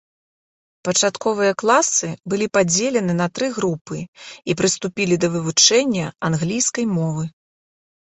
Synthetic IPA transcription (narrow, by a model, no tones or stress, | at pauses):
pɐt͡ʂat̪kɔvɨjɐklˠasɨbɨlʲipad͡zʲelʲɛnɨnɐt̪ɾɨɣɾupɨipɾɨst̪upʲilʲid̪ɐvɨvut͡ʂɛnʲːɐanɣlʲijskɐjmɔvɨ